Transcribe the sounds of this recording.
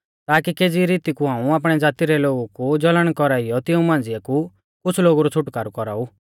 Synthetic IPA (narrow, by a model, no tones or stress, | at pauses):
t̪aːkikeːd͡ziɾiːt̪ikuɦãːũaːp̬ɽ̃ɛd͡zaːt̪iɾɛloːɡukud͡zɔləɽ̃kɔɾaːɪjɔt̪ɪũmãːnd͡zɪɛku | kʊt͡sʰloːɡuɾɔt͡sʰʊʈkaːɾukɔɾa̰ːu